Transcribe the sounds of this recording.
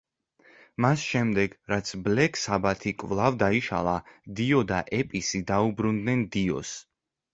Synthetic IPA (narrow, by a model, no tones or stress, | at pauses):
masʃɛmd̪ɛɡɾat̪sʰblɛkʰsabat̪ʰikʼvlˠavd̪aiʃa̰lˠad̪iɔd̪aʔɛpʼisid̪aubɾund̪nɛnd̪iɔ̰s